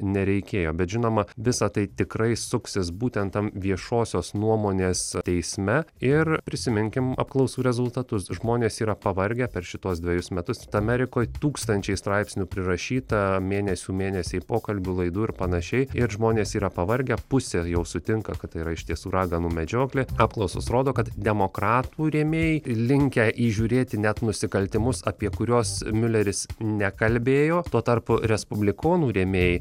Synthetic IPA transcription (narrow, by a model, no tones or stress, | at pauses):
nʲɛɾʲɛɪkʲeːjoːbʲɛt̪ʒʲɪnoːmɐʋʲɪsɐt̪ɐɪt̪ʲɪkɾɐɪsʊksʲɪs̬buːt̪ʲɛnt̪ɐmʋʲiɛʃoːsʲoːsnuɔmoːnʲeːst̪ʲɛɪsʲmʲɛɪrpʲɾʲɪsʲɪmʲɪŋʲkʲɪmɐ̰p̚klˠɐʊsuːɾʲɛzʊlˠt̪ɐt̪ʊsʒmoːnʲeːsiːɾɐpɐʋɐɾʲɡʲɛpʲɛɾʃʲɪt̪uɔsd̪ʲʋʲɛjʊsmʲɛt̪ʊst̪ɐmʲɛɾʲɪkoːjt̪uːkst̪ɐnʲt͡ʃʲɛɪst̪ɾɑɪpʲsʲnʲuːpʲɾʲɪɾɐʃʲiːt̪ɐmʲeːnʲɛsʲuːmʲeːnʲɛsʲɛɪpoːkɐlʲbʲʊlˠɐɪd̪uːɪɾpɐnɐʃʲɛɪɪɾʒmoːnʲeːsiːɾɐpɐʋɐɾʲɡʲɛpʊsʲɛjɛʊsʊt̪ʲɪŋkɐkɐt̪ːɐɪiɾɐɪʃʲt̪ʲiɛsuːɾɑːɡɐnuːmʲɛd͡ʒʲoːklʲɪɑːpklˠɐʊso̰sroːd̪oːkɐt̪d̪ʲɛmokɾɑːt̪uːɾʲeːmʲeːjɪlʲɪŋʲkʲɛʔiːʒʲuːɾʲeːt̪ʲɪnʲɛt̪nʊsʲɪkɐlʲt̪ʲɪmʊsɐpʲiɛkʊɾʲoːsmʲʊlʲɛɾʲɪsnʲɛkɐlʲbʲeːjoːt̪uɔt̪ɐrpʊɾʲɛspʊbʲlʲɪkoːnuːɾʲeːmʲeːj